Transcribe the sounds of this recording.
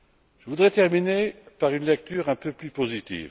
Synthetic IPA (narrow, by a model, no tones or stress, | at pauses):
ʒ̥əvud̪ʁɛt̪ɛʁminepaʁynlɛk̚t̪yːʁɛ̃pøplypozit̪ḭːv